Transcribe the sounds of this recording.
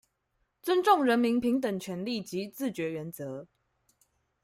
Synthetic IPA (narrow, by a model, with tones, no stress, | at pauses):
t͡sə˦nʈ͡ʂʊ˥˨ŋɻə˧˦˥nmi˧˦npʰi˨˥ŋt̪ə˨˩ŋt͡ɕʰɥɛ˨˧˥nli˥˨t͡ɕi˨˦t͡sɹ̩˥˨t͡ɕɥɛ˨˧˥ɥɛ˨˧˥nt͡sɤ˨˦